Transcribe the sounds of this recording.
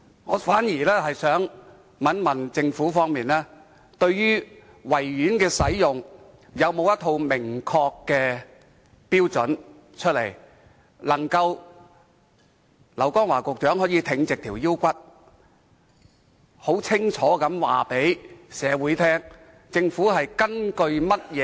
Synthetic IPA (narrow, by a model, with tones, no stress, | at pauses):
ŋɔ̰ː˨˧faː˨˥njiː˨˩lɛː˥hɐ˨jsœː˨˥ŋ | mɐ˨˥nmɐ˨˩nt͡sɪ˧ŋfuː˨˥fɔː˥ŋmiː˨nlɛː˥ | t̪ɵ˧ɥɥyː˥ | wɐ˨˩jːyː˨˥nkɛː˧sɐ˨˥jːʊ˨˩ŋ | jɐ˨˧wmo˨˧wjɐ˥t̪ʰo˧wmɪ˨˩ŋkʰɔː˧kːɛː˧ | piː˥wt͡sɵ˨˥n | t͡ʃʰɵ˥t̚lḛ˨˩j | lɐ˨˩ŋkɐ˧w | lɐ˨˩wkɔː˥ŋwaː˨˩kʊ˨k̚t͡ʃœː˨˥ŋɦɔː˨˥jiː˨˧t̪ʰɪ˧ŋt͡sɪ˨k̚t̪ʰiː˨˩wji˥wkʷɐ˥t̚ | ho˨˥wt͡sʰɪ˥ŋt͡ʃʰɔː˨˥kɐ˨˧˥mwa̰ː˨˩pe˨˥jsɛː˨˧wuː˨˥jt̪ʰɛː˥ŋ | t͡sɪ˧ŋfuː˨˥ɦɐ˨jkɐ˥nkɵ˧ɥmɐ˥t̚jɛː˨˧